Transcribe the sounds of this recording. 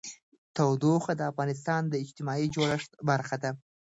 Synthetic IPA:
t̪awd̪oxad̪əafɣɑnɪs̬t̪ɑnd̪əɪd͡ʒt̪ɪmɑid͡ʒoɽaʂt̪baɾxad̪a

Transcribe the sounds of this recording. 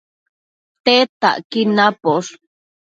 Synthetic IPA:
t̪et̪a̰ʔkinapoʂ

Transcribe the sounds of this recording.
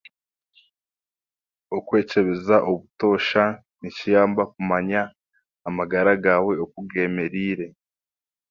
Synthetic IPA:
okwe̞ːt͡ʃe̞βezaʔoβuto̞ːʃa | nicijaːmbakumaɲaː | maɡaɾaɡawe̞ok̚uɡe̞ːme̞ɾiːɾe̞

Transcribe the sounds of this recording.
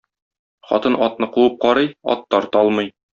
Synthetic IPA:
χɒ̰t̪ɤnʔɒt̪̚nɤquɤp̚qɒɾɤjɒ̰t̪ːɒɾt̪ɒlˠmɤj

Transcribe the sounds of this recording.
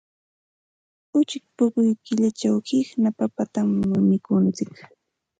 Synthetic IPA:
ʊt͡ʃɪk̚pʊkʊjkɪʎat͡ʃawhɪhnapapat̪amːʊnɪkʊnt͡sɪk

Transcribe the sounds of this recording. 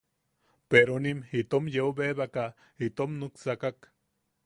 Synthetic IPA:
peɾonimit̪omjeubeβaka | it̪omnuksakak

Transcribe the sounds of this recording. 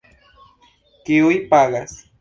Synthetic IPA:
kɪʊjpaɢas

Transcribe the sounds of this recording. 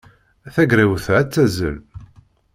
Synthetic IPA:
æθæɡɾiwθʕæt͡sːæzə̰l

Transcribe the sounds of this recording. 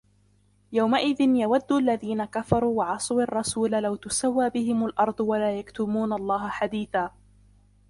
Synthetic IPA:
jawmaʔɪðɪnjawad̪ːuʔalːaðiːnakafɑɾˤuːwɑʕɑsˤɑwɑrˤːɑsuːlalawt̪ʊsawːaːbɪɦɪmalʔɑɾˤd̪ˤwalaːjakt̪ʊmuːnalˤːɑːɦaħad̪iːθaː

